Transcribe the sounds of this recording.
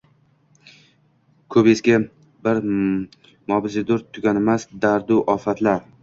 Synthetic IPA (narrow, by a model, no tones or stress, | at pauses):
kʰɵpeskʲa | bɪɾ | mɒbɪzɪd̪ʊɾt̪ʰʊɡʲanemasd̪aɾd̪ʊʔɒfat̪laɾ